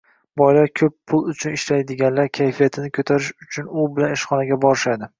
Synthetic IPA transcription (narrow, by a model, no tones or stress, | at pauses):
bɒjlaɾkʲʰɵpʰːʊlˠʊt͡ʃʰʊnɪʃlajd̪ɪɡʲanlaɾkʲʰajfijat̪ʰɪnɪkʰɵt̪ʰaɾɪʃʊt͡ʃʰʊnʊbɪlanɪʃχɒnaɡʲabɒɾɪʃad̪ɪ